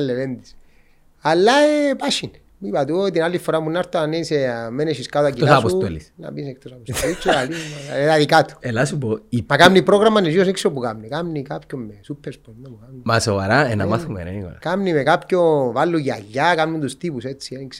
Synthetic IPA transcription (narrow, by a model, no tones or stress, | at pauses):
alːevend̪i̥s | alːaepaʃin | mipat̪ut̪inalːifoɾamunːaɾt̪anːeisemeneʃiskat̪uakilasaposut̪olḭsna̰pisekt̪osapost̪olit͡ʃːoalimaeðaðikat̪u̥elasupoimakamnipɾoɣɾamːanːed͡ʒjoseksopukamnikamnikapkommesupʰːeɾspond̪apukamnimasovaɾaena̰maθumḛɾḛnikwa̰lkamnimekapcovalːujia̰ʎːakamnunt̪ust̪ipuset͡sːieniks